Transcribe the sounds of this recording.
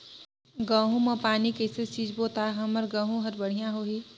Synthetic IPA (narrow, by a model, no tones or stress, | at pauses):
ɡãːɦũmə̃paːnikesesid͡ʒbot̪aɦəməɾɡãːɦũɦəɾbəɽ̤ijãɦoːɦi